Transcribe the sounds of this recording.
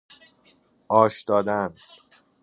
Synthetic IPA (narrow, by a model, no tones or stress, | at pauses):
ʔɒːʃd̪̥ɒːd̪ænd̪̥